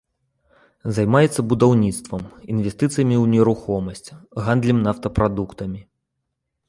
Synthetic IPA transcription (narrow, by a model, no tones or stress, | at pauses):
zajmajɛt̪sːɐbud̪awnʲit̪st̪vɐminvʲɛst̪ɨt̪sɨjɐmʲiuwnʲɛɾuxɔmɐsʲt͡sʲɣand̪lʲimnaft̪ɐpɾad̪ukt̪ɐmʲi